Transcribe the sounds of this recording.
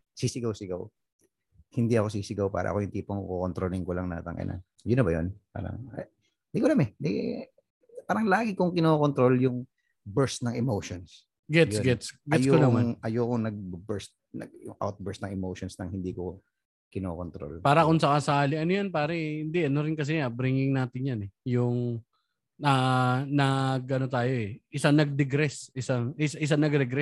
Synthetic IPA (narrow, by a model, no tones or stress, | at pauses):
siːsɪɡawsɪɡaw | hɪnd̪iɐko̞siːsɪɡawpa̰ːɾɐ̰ʔɐ̰kojʊŋt̪iːpoŋkokont̪ɾoːlɪŋkolɐŋnɐ̰ːt̪ɐŋʔɐ̰na̰ | jʊnɐbɐjo̰npa̰ːɾɐ̰ŋɐ̰ | nd̪ikolamɛd̪ɡ | paːɾɐŋlaːɡɪkoŋkɪnoːkont̪ɾo̞ljʊŋ | bɛɹst̪nɐŋɛmowʃons | ɡɛtjjɡɛsɡɛjoonmaŋʔɐjoːkoŋnɐɡ̚bɛɹst̪̚nɐ̰ɡ̚jʊ̰ŋʔa̰wt̪̚bɛɹsnɐŋɛmowʃonsnɐŋhɪnd̪iːko̰ | kɪnoːkont̪ɾo̰lpaːɾɐkʊnsɐkasɐkaːlɪʔɐnojanpaːɾɐhɪnd̪ɪʔɐnoɾɪnkɐs̬ɛabɾiːŋɪŋnaːt̪ɪɲjanɛjʊŋ | ɐnɐɡʔɐnot̪aːjo̞ʔɛʔɪsanɐɡ̚d̪ɛɡɾɛsʔɪsaŋɪsʔɪs̬anɐɡɾɛɡɾɛ